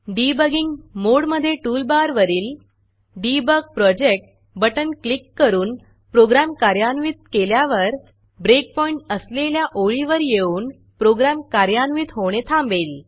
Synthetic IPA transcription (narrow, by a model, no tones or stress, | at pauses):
ɖibəɡiŋɡmoɽməd̪ʱːjeʈuːlbaɾʋəɾiːl | ɖibəɡ̚pɾɔd͡ʑek̚ʈ̚ | bəʈənklikːəɾuːn | pɾoɡɾamkaɾjanʋit̪̚keljaʋəɾ | bɾek̚pɔiɳʈəsleljaʔoɭiʋəɾjeuːn | pɾoɡɾamkaɾjanʋit̪ɦoʋɽ̃et̪ʰãmbel